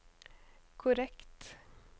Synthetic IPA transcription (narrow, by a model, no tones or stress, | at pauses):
kʰʊɾɛkt̪